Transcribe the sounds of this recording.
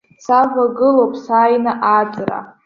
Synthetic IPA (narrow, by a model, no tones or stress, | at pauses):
savʷaɡɨlopʼʰsaːjnɨʔat͡sʼra̰